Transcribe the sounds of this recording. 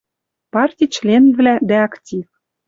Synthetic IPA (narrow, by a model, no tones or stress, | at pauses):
pɑrt̪ʲit͡ɕlʲenvlʲæd̪æɑktʲif